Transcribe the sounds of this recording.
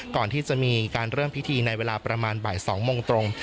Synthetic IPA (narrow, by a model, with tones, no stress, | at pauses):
kɔː˨˩nt̪ʰiː˥˩t͡ɕa˨˩ʔmiː˧kaː˧nɾɤː˥˩mpʰi˦˥t̪ʰiː˧na˧jweː˧laː˧pɾa˧maː˧nba̰ː˨˩jsɔː˩˦ŋmoː˧ŋt̪ɾo˧ŋ